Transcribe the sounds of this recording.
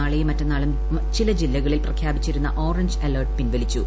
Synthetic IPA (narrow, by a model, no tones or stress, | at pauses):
aːɭejmɐtːɐnːaːɭum | t͡ɕilɐd͡ʑilːɐɣɐɭilprɐkʰjaːbit͡ɕːiɾunːɐʔo̞ːrɐɲd͡ʑɐlɐːrʈ̚pinʋɐlit͡ɕːu